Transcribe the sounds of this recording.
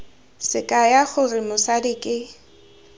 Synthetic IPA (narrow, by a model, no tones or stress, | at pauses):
sɪkʼajaχʊrɪmʊsadɪkʼɪ